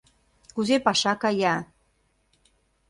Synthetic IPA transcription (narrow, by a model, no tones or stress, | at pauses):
kuzepɑʃɑkɑjɑ